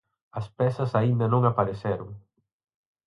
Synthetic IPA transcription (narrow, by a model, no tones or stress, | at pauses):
ɐspɛsɐsaind̪ɐnõŋapaɾesɛɾʊŋ